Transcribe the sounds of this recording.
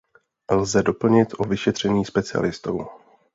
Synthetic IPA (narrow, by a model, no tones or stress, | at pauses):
lzɛdo̞pl̩ɲɪt̪ʔovɪʃɛt̪r̝̥ɛɲiːspɛt͡sɪa̰lɪst̪o̰w